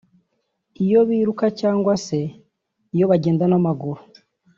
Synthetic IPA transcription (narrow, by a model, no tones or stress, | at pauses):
ijo̞βiːɾukacaːŋɡwase̞ | ijo̞βaɟe̞ːndanamaɡuɾu